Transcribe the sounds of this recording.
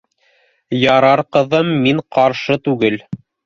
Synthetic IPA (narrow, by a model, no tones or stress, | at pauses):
jɑɾɑɾqɤ̆ðɤmːiɴqɑɾʃɤt̪ʉɡɘl